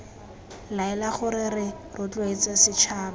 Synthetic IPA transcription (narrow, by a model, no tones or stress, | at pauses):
laɛlaχʊɾɪɾɪ | rʊt͡ɬʼwet͡sasɪt͡ʃʰaːra